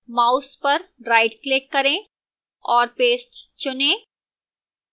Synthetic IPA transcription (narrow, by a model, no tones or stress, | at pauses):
maːʊspɐɾɾaːɪɖklɪkːɐɾẽː | ɔːɾpeːsʈt͡ʃʊnẽː